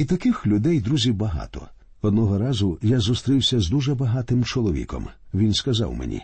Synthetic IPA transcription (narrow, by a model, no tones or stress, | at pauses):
it̪ɐkɪxlʲʊd̪ɛjd̪ɾuzʲiwbɐɦɑ̰t̪ɔ̰ | ɔd̪nɔɦɔɾɑzʊjazʊst̪ɾɪwsʲɐzd̪uʒɛbɐɦɑt̪ɪmt͡ʃɔlˠɔʋʲḭkɔ̰mʋʲinskɐzɑ̰wmḛnʲḭ